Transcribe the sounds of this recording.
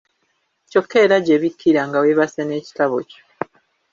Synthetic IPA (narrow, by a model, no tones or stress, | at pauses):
co̞kʰːeːɾaɟeːβikʰːiɾaŋɡaweβaseneːci̥taβoco̥